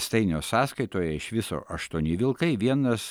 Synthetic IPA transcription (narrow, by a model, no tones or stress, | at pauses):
st̪ɐɪnʲoːsɑːskɐɪt̪oːjɛɪʃʋʲɪso̰ːʔɐʃt̪uɔnʲɪʋʲɪlˠkɐɪʋʲiɛnɐs